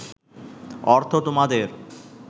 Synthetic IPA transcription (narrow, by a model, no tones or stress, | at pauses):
ɔɾt̪ʰot̪omad̪eɾ